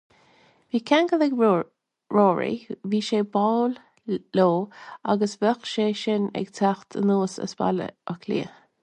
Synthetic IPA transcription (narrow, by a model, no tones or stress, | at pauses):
viːkʰaŋɡəðɛɡ | ɹoːɹḭviːʃeːbaːl | loːaɡəsbəxʃeːʃɪnɛ̰ɡtʰaxt̪ʰə̰nuːsə̰sba̰lə̰ɔkʰlḭː